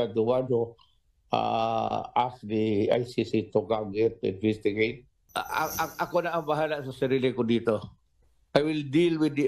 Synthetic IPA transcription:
at̪ʊwado | a̰ʔasd̪ia̰jsisit̪ʊkaɡɛt̪̚ːʊɪ̰nvɛst̪ɪɡejt̪̚ | ʔakonaʔaŋbaɦalaʔsasaɾilɪkʊd̪iːt̪o | ʔajwɪld̪ilwɪd̪i

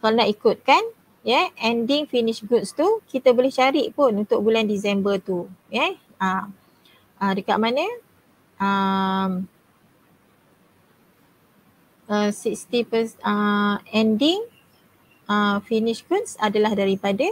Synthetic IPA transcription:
kalonaʔikʊt̪̚kan | jɛɛndɪŋfinɪʃɡut̪̚st̪ukit̪abolɛht͡ʃaɾiʔpʊnunt̪ʊk̚bulandis̬ɛmbət̪ujɛ | əm | ədəkaʔ̚mãnə̃ | ʔəm | əsikst̪ipəsəɛndɪŋ | əfiniʃɡut̪sadalahdaɾipada

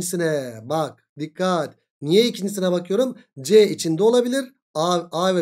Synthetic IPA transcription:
isinɛbak̚d̪ikːat̪ | nijɛicʰind͡ʒis̬inɛbakʰɯjo̞ɾumd͡ʒɛit͡ʃʰind̪ɛo̞lˠabilʲiɾ | aːvɛ

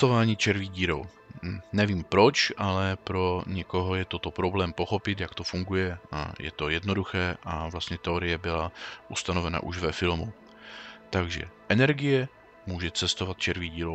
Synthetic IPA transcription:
t̪ovaːɲiːt͡ʃɛɾviɟiːɾo̰w | nɛviːmpɾo̞t͡ʃʔalɛpɾo̞ɲɛko̞ɦo̞jɛt̪ot̪o̞pɾo̞blɛːmpo̞xo̞pɪt̪jakt̪ofuŋɡujɛ̰jɛ̰t̪o̞jɛdnoduxɛːʔavlast̪ɲɛt̪ɛo̞ɾɪjɛbɪlaʔust̪ano̞vɛna̰ʔuʒvɛfɪlmu | t̪aɡʒɛ̰ʔɛnɛɾɡɪjɛ | muːʒɛt͡sɛst̪o̞vat̪̚t͡ʃɛɾviɟiːɾo

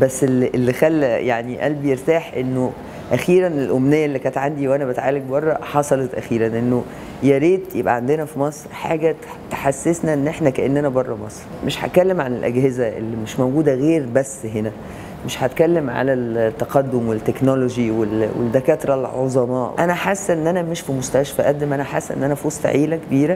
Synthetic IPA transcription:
bæsːelʔelːixælːjaʕniʔælbejeɾt̪aːħʔenːo | ʔæxiːɾænelʔomnejːæʔelːikæːt̪ʕand̪iwʔænæbet̪ʕaːlek̚bɑrˤːɑħɑsˤɑlet̪ʔæxiːɾænʔenːo | jæɾeːt̪jebʔæ̰ʕand̪enæfimɑsˤɾħaːɡæ | t̪ħasːesnæʔenːʔeħnækæʔenːænæbɑrˤːɑmɑsˤɾmeʃħæ̰t̪̚kælːemʕanelʔæ̰ɡhezæʔḛlːimeʃmowɡuːd̪æɣeːɾbæsːɦenæ | meʃħæt̪kælːemʕa̰lælt̪ːæqɑd̪ːomwet̪ːeknoloʒiwelwḛd̪ækæːt̪ɾˤɑlʕozˤɑmɑːʔænæħasːʔenːʔænæmeʃfimost̪æʃfæʔæd̪dːemʔænæħasːʔḛnːʔænæfiwosˤt̪ʕiːlækebiːɾæ

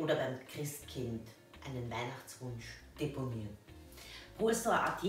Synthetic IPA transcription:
oːdɐbaɪmkʁ̥ɪstkʰɪnt | ʔaɪnənvaɪnaχt͡sv̥ʊnʃd̥eponiːʁən | pʁ̥ofɛsoɐʔa̰tj

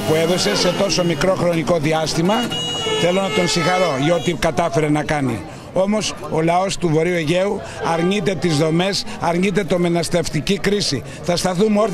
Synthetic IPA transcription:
pue̞ðo̞se̞se̞t̪o̞so̞mikɾo̞xɾo̞niko̞ðiɐst̪imɐθe̞lo̞nɐt̪o̞nsixɐɾo̞ʝo̞t̪ikɐt̪ɐfe̞ɾe̞nɐkɐnḭ | o̞mo̞s | o̞lɐo̞st̪uvo̞ɾiueʝe̞u | ɐɾɲit̪e̞t̪izðo̞me̞sɐɾɲit̪̬e̞t̪o̞menɐst̪eft̪icikɾisi | θɐst̪ɐθumoɾ

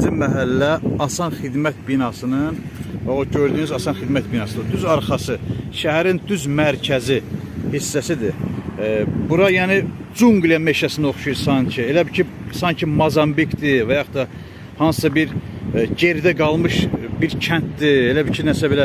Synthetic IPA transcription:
imæɦælːæɑsɑnxid̪mæt̪̚binɑsɯnɯnvæoɟøɾd̪yːnyzɑsɑnxid̪mæt̪̚binɑsɯnɯd̪yzɑɾxɑsɯʃæɦæɾind̪yzmæɾcʰæzi | hisːæsid̪i | buɾɑjæːni | d͡ʒuŋɡlijɑme̞ʃæsinoχʃujuɾsɑɲcʰie̞læbicʰisɑɲcʰimɑzɑmbikd̪ivæjɑχt̪ɑ | hɑnssɑbiɾɟeɾd̪æɡɑlˠmɯʃbiɾcʰænt̪̚d̪ielæbicʰinæsæbelæ

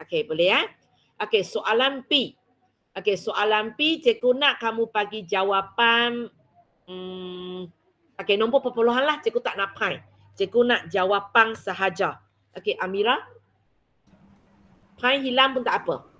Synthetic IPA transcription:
okebəlea | ʔokesoʔalanpi | ʔokesoʔalanpit͡ʃekunaʔkamupaɡid͡ʒawapan̩ | ʔokenɔmpɔʔpəpoloɦanlaht͡ʃekut̪aʔnãʔpãj | t͡ʃekunaʔd͡ʒawapaŋsaɦad͡ʒa | ʔokeʔamiɾa | pʰãj̃ɦilampunt̪aʔapə

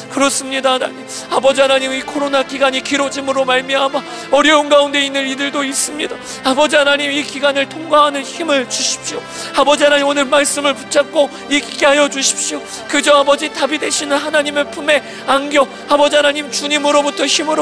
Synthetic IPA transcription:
kɯɾʌs͈ɯmɲidana | abʌd͡ʑiɦanaɲimikʰoɾonakiɡaɲikiɾod͡ʑimɯɾomaɭmjʌɦama | ʌɾjʌunɡaunde̞inːɯnidɯɭdois͈ɯmɲida | abʌd͡ʑiɦanaɲimikiɡanɯɭtʰoŋɡaɦanɯnçimɯɭt͡ɕuɕʰi̥p̚ɕ͈io | abʌd͡ʑiɦanaɲimonɯɭmaɭs͈ɯmɯɭput͡ɕʰak̚k͈o | jekiɡeɦajʌd͡ʑuɕʰi̥p̚ɕ͈io | kɯd͡ʑʌabʌd͡ʑitabide̞ɕʰinɯnhanaɲime̞pʰume̞ | anɡjo | abʌd͡ʑiɦanaɲimt͡ɕuɲimɯɾobutʰʌçimɯɾo

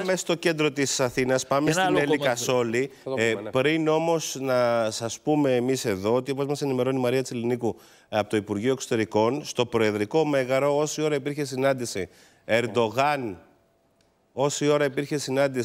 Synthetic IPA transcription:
mest̪o̞ce̞nd̪ɾo̞t̪isɐθinɐspɐmesinelikɐso̞lipɾino̞mo̞snɐsɐspume̞ːmise̞ðo̞ot̪iopozmɐsenime̞ɾo̞nimɐɾiɐt̪iseliniku | ɐpot̪oipuɾʝio̞ekso̞t̪e̞ɾiko̞nst̪o̞pɾo̞e̞ðɾiko̞me̞ɣɐɾo̞o̞sio̞ɾɐipiɾçe̞sinɐnd̪isi | e̞ɾd̪o̞ɣɐn | o̞sio̞ɾɐipiɾçe̞sinɐnd̪i

